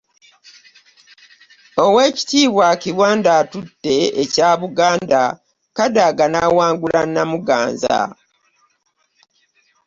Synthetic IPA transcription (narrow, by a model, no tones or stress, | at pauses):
o̞we̞ːci̥tiːβwaciβwaːndaːtudːe̞ecaːβuɡaːnda | kadaɡanaːwaːŋɡulanːamuɡa̰ːnza̰